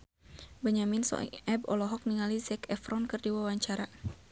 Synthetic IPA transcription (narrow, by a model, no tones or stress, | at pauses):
baɲaminsɔ̰ʔɛbɔ̰lɔɦɔk̚niŋalizɛkɛfɾɔnkɨrdiwawaɲt͡ʃaɾa